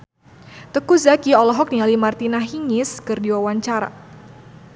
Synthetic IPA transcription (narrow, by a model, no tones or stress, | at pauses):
t̪əkuzakiɔlɔɦɔk̚nialimart̪inaɦiŋɪskɨrdiwawaɲt͡ʃaɾa̰